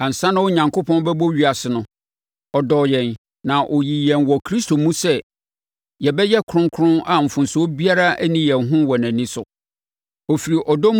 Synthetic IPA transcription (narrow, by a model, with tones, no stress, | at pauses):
ã˨n̩˨sã˦nʊ̃˦wo˦ɲã˨ŋkʰʊ˦pʰɔ̃˦n˦bɛ˦bo˦ɥi˨a˨sɪ˨nʊ̃˨ | ɔ˨dɔ˨jɛ̃˨n | nã˨ʔo˨ji˨jɛ̃˨nwɔ˨kʰɾi˦stʰo˨mũ˦sɛ˦ | jɛ˨bɛ˦jɛ˦kʰʊ˨ɾʊ̃˦ŋkʰʊ˦ɾʊ̃˦na˨m̩˨fʊ̃˨nsʊ˦o˦bi˦a˦ɾa˦æ˦nĩ˦jɛ̃˨nɦʊ̃˦wɔ˨næ̃˨nĩ˦sʊ˨ | o˨fi˨ɾi˨ʔɔ˨dɔ˦m